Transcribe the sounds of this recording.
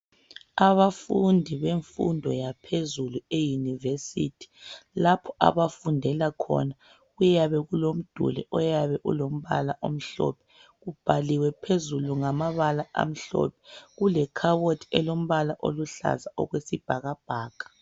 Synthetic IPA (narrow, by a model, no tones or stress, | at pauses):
aβafundʱiβeɱfṵndʱɔjapʰezuluejunivesitʰi̥lapʰɔʔa̰βafundʱɛlakʰɔ̰na | ɣujaβɛɣulom̩d̥ʱṵlɛ̰ʔɔjaβɛʔṵlom̩βalaʔom̩ɬɔ̰pʰɛ̥ | ɣub̥ʱaliwɛpʰezuluŋamaβalaʔa̰m̩ɬɔ̰pʰɛ̥ɣulɛkʰawotʰi̥ɛlom̩βalaʔo̰luɬa̰zaʔɔ̰ɣwesib̥ʱaɣab̥ʱaːkḁ